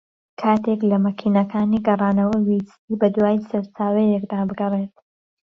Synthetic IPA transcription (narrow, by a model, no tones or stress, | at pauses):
kʰaːt̪ʰeklɐmɐkʰiːnɐkʰaːniɡɐrˤɑːnɐwɐwisiːbɐd̪waːjisɐɾt͡saːwɛjekd̪aːbɨɡɐret̪̚